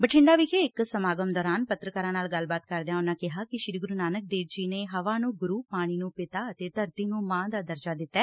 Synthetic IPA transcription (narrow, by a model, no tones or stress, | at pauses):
bəʈʰɪ̃ɳɖaːʋɪkʰeɪksəmaːɡəmd̪ɔːɾaːnpət̪ɾəkaːɾãːnaːlɡəlbaːt̪kəɾd̪jãːʊnãːkɪɦaːkɪʃɾiːɡʊɾuːnaːnək̚d̪eːʋd͡ʒiːneːɦəʋaːnũːɡʊɾuːpaːɽ̃iːnũːpɪt̪aːət̪eːt̪əɾt̪iːnũːmãːd̪aːd̪əɾd͡ʒaːd̪ɪt̪ːɛː